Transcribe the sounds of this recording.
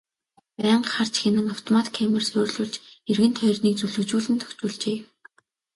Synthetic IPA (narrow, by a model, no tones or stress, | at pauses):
pæːɴɢχar̥t͡ɕxenɘ̆ŋaw̥t̪ʰɔmat̪kʰːamə̆rsoːrɮʊːɮt͡ɕerɣɘ̆nt̪ʰœjrniːk̚t͡suɮɵ̆kt͡ɕuːɮɘ̆nt̪ʰɵ̥xt͡ɕuːɮt͡ɕeː